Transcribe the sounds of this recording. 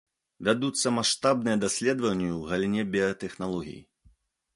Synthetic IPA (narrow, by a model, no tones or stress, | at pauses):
vʲad̪ut̪sːɐmaʂt̪abnɨjɐd̪asʲlʲɛd̪vɐnʲːjuwɣɐlʲinʲɛbʲijɐt̪ɛxnalˠɔɣʲḭjḭ